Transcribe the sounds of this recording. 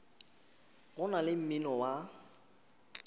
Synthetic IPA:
ɣʊnalɪm̩mɪnɔwa

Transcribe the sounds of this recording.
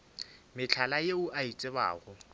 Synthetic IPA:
mɪt͡ɬʰalajeʊʔait͡sʼɪba̰ːɣʊ

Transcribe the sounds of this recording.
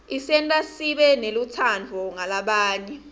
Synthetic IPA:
isɛntʼasiɓɛnelutʰand͡vʱɔŋalaɓaːɲɛ

